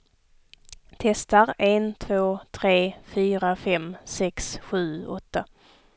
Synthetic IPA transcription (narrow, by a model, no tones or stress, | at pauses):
t̪ʰɛst̪aɾent̪ʰvoːt̪ʰɾeːfyːɾafɛmsɛksɧʉ̟ːɔt̪ːa